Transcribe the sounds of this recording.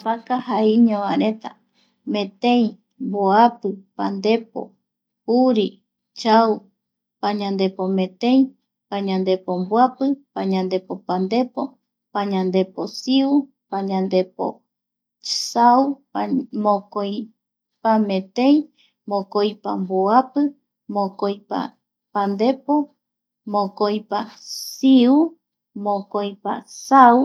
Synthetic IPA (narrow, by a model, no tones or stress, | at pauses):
pakahaiɲõʋãɾet̪a | mẽ̞t̪ẽj̃ | mboapɨpand̪epo̰ | uɾi | t͡ʃaw | paɲãnd̪e̞pomẽt̪ẽj̃ | paɲãnd̪e̞pombwapɨpaɲãnd̪epopand̪e̞po̞ | paɲãnd̪e̞posiu | paɲãnd̪epo̰ | sau | mõkoj | pamẽt̪ẽj | mõkojpamboapɨ | mõkojpa̰ | pand̪e̞po | mõkojpasiu | mõkojpa̰saw